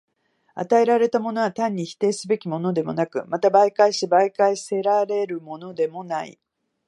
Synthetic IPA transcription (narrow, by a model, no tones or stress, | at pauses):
a̰t̪ae̞ɾaɾe̞t̪amo̞no̞βat̪ãɲ̟ːiçi̥t̪e̞ːsɨbe̞kʲimo̞no̞d̪e̞mo̞̰nakɯ̟mat̪abaikaiɕibaikaise̞ɾaɾe̞ɾɯ̟mo̞no̞d̪e̞mo̞naḭ